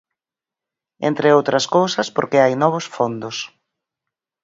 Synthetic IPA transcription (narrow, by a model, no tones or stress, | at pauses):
ḛnt̪ɾɪowt̪ɾɐskowsɐspoɾkeajnɔβ̞ʊsfond̪ʊs